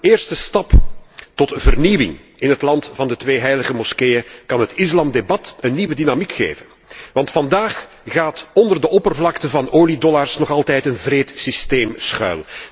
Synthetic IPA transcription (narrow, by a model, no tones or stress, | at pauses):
ɪːrstəstɑptɔtvərniʋɪ̰ŋ | ɪnɦətlɑntfɑndətʋeːɦɛjləɣəmɔskejəkɑnɦətɪslɑmdebɑtənːiːʋədinamikxḛːvən | ʋɑntfɑndaːx | ɣaːtɔndərdəʔɔpərvlɑktəvɑnoːlidɔlarsnɔχɑlˠtɛjtənvreːtsisteːmsxœ̰ːl